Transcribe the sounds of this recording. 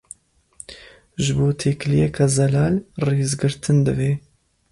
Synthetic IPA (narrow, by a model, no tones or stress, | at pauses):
ʒɨboːt̪ʰeːklijɛkʰazɛlɑːlreːzɡɨɾt̪ʰɨnd̪ɨveː